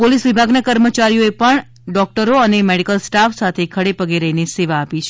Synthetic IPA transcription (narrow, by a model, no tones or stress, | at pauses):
polisʋibʱaɡnakəɾmət͡ʃaɾijoepəɳ | ɖɔk̚ʈəɾoənemeɽikəlsʈafsat̪ʰekʰəɽepəɡeɾəɦineseʋaːpit͡ʃʰe